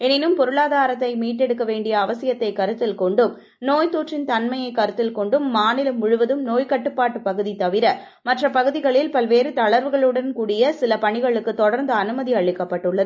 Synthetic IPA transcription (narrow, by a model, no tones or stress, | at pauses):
ɛnɪnɯmpɔɾɯɭaːðaːɾɐt̪ːɐɪmiːʈːɛɽɯkːɐʋeːɳɖɪjɐːʋɐsɪjɐt̪ːɐɪkɐɾɯt̪ːɪlkɔɳɖɯm | noːjt̪uːʈrɪnt̪ɐnmɐjɐɪkɐɾɯt̪ːɪlkɔɳɖɯmːaːnɪlɐmːʊɻʊʋɐðɯmnoːjkɐʈːɯpːaːʈːɯpɐɣɯðit̪ɐʋɪɾɐ | mɐʈrɐpɐɣɯðɪɣɐɭɪlpɐlʋeːɾɯt̪ɐɭɐɾʋɯɣɐɭɯɽɐnkuːɽɪjɐsɪlɐpɐɳɪɣɐɭɯkːɯt̪ɔɽɐɾnd̪ɐːnɯmɐðiɐɭːɪkːɐpːɐʈːɯɭːɐðɯ